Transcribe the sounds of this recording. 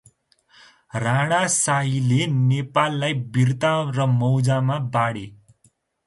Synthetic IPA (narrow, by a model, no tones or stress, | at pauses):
raɽ̃asailenepalːajbirt̪arʌmʌwd͡zamabaɽe